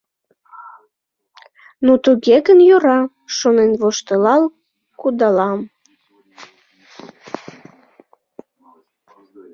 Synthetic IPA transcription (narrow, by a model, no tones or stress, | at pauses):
nut̪uɣeɣənjoɾɑ | ʃonenvoʃt̪əlɑl | kud̪ɑlɑm